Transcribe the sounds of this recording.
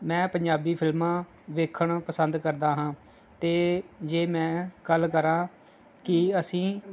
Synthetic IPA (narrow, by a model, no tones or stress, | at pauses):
mɛ̃ːpəɲd͡ʒaːbiːpʰɪlmãː | ʋeːkʰəɳpəsənd̪kəɾd̪aːɦãː | t̪eːd͡ʒeːmɛ̃ːɡəlkəɾãː | kɪəsĩː